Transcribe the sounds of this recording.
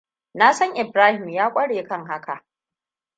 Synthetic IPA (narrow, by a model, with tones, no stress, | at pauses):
naː˦sɐ˦ŋʔɪ˨bɾaː˦hɪ˨mjaː˦kʷʼɐ˦ɽeː˨kɐ˦ŋɦa˦ka˨ʔ